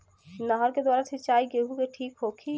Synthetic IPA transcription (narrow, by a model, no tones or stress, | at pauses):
nəɦəɾked̪waːɾasʰit͡ʃaːiɡeɦũɡeʈʰiːkɦokʰi